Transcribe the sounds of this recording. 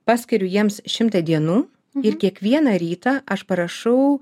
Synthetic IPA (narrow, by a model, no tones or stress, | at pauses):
pɑːsʲkʲɪɾʲʊjiɛmsʃʲɪmt̪ɐd̪ʲiɛnuː | ɪɾkʲiɛkʋʲiɛnɐɾʲiːt̪ɑːʔɐʃpɐɾɐʃɐʊ